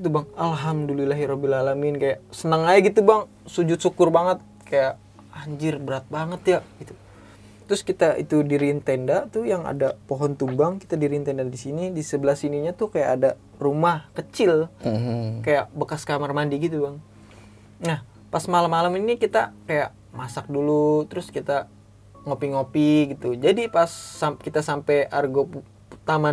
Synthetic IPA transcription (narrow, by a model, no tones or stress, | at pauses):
ɡit̪ubaŋalɦamdulilaɦiɾɔbilalamɪnkajaʔsənəŋajɡit̪ubaŋ | sud͡ʒʊt̪̚sukʊrbaŋət̪̚kajaʔ | haɲd͡ʒɪrbəɾat̪̚baŋət̪jaʔɡit̪u | t̪ɾʊskit̪aʔḭt̪udiɾint̪endaʔt̪ʊjaŋa̰dapoɦɔnt̪ubaŋki̥t̪adiɾint̪endadisinidisəbəlahsiniɲat̪ʊhkajaʔːda | rumahkət͡ʃɪl | kajaʔbəkaskamarmandiɡit̪ubaŋ | nah | pasmalamːalaminikit̪akajaʔ | masak̚dulut̪əɾʊskit̪a | ŋopiŋopiɡit̪ud͡ʒadipasːakit̪asampejarɡo | t̪ama